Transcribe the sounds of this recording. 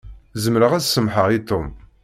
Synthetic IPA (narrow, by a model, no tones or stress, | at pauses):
zəmɾəʁæsəmħəʁit̪om